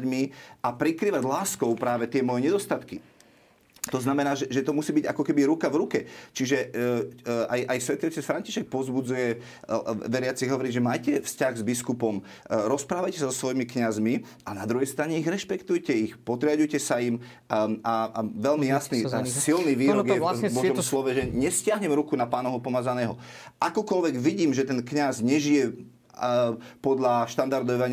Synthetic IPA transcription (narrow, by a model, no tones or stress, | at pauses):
ɟmiʔapɾikɾiːʋaɟlaːskɔʊpɾaːʋɛt̪ɪɛmɔjɛɲɛd̪ɔst̪at̪ki | t̪ɔznamɛnaːʒɛʒɛt̪ɔmusiːbiɟakɔkɛbiɾukavɾukɛt͡ʃiʒɛ | ajʔajsʋɛt̪iɔsɛsfɾaɲciʃɛk̚pɔzbud͡zujɛ | ʋɛɾɪat͡siɣɦɔʋɔɾiʒɛmaːjcɛfscaɣzbiskupɔm | ɾɔspɾaːʋajcɛsazɔsʋɔjimikɲazmi | aɛnad̪ɾuɦɛjst̪ɾaɲɛiɣɾɛʃpɛkt̪ujcɛixpɔd̪ɾɪaɟujcɛsaim | aʋɛlmijasnisilniʋiːɾɔɡjɛbɔʒɔmslɔʋɛʒɛɲɛscɪaɦɲɛmɾukunapaːnɔɦɔpɔmaːzanɛːɦɔ | ʔakɔkɔlʋɛɡʋiɟiːmʒɛt̪ɛnkɲazɲɛʒijɛ | pɔd̪ʎaʃt̪and̪aɾd̪ɔʋaɲ